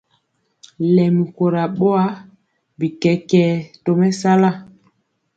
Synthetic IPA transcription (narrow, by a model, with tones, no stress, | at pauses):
lɛ˨mi˨ko˨ɾa˨ɓo˦a˦ | bi˨kɛ˨kɛ˨to˨mɛ˦sa˦la˦˨